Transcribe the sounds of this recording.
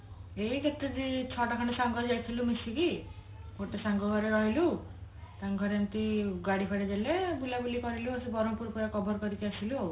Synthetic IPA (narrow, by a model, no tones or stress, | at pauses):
eikʰet̪ːed͡ʒet͡ʃʰɔʈakʰɔɽesaŋɡʱɔd͡ʒajk̪ʰilumisiki | koʈesaŋɡʱɔɡʱɔɾeɾɔɦilusaŋɡʱɔɾant̪iɡaɽipʰaɽed͡ʒelebulabulikɔɾiluasibɔɾɔmpuɾpuɾakɔbɔɾkɔɾit̪iasilu